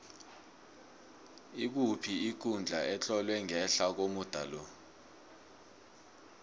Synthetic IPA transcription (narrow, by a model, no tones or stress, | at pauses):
ik̬upʰiik̬ʼund͡ɮʱaʔɛt͡ɬʼɔlwɛŋɛɬak̬omud̥ʱalɔ